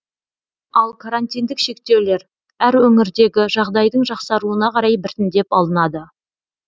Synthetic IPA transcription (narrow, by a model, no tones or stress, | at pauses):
ɑlˠkʰaɾanʲt̪ijnd̪ɪkʃe̞k̚t̪e̞wle̞ɾ | æɾwɵŋɪɾd̪e̞ɡʲɪʒɑʁd̪ɑjd̪əɴʒɑqsɑɾuənɑqʰɑɾɑjbɪɾt̪ɪnd̪e̞pɑlˠənɑd̪ə